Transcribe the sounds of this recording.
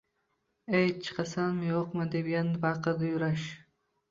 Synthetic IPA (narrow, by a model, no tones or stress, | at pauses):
ejt͡ʃʰɨ̥qɑsanmjoqmad̪epjanbɑqəd̪ajʊɾaʃ